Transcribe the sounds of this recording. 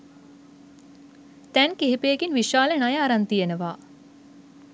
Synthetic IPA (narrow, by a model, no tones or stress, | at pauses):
t̪ænkeɦipeːɡinʋiʃaːlənajaːɾant̪ijenəʋaː